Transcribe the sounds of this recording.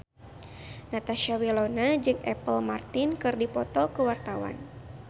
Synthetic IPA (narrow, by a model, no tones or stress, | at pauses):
nat̪aʃawilonad͡ʒɨŋɛ̰pəlmart̪ɪnkɨrdipɔt̪ɔkəwart̪awa̰n